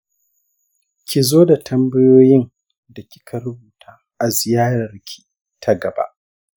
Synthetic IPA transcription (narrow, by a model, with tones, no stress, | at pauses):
kʲi˨zoː˦da˨tʰɐ˦mbɐ˦joː˦jɪ˦n | da˨kʲi̥˦kʰa˨ɾʊ˦buː˨tʰaː˦ʔa˨zɪ˨jaː˦ɾɐ˨rkʲʰi̥˨ | tʰa˦ɡɐ˨ba̰˦ʔ